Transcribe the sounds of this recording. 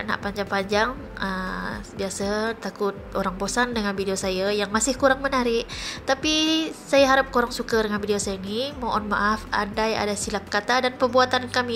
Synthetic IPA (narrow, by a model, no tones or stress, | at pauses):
na̰ʔpaɲd͡ʒaŋpaɲd͡ʒaŋ | əbiasat̪akʊt̪̚oɾaŋbosandəŋanvideosajajaŋmasɪhkuɾaŋmənaɾɪʔt̪apisajaɦaɾap̚kuɾaŋsukadəŋanfideosajanimoʔɔnma̰ʔafa̰daja̰dasilap̚kat̪adanpərbuat̪ankami